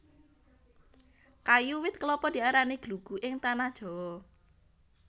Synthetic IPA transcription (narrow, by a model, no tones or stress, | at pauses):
kajuwɪt̪̚kəlɔpɔd̪̥i̤aɾaneɡ̥luɡ̥ṳʔɪŋt̪anad̥ʒ̥ɔ̤ɔ